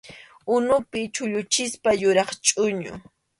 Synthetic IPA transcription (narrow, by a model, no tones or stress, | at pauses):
ʊnʊpɪt͡ʃʊʎʊt͡ʃɪspajʊɾɑχt͡ʃʼʊɲʊ̰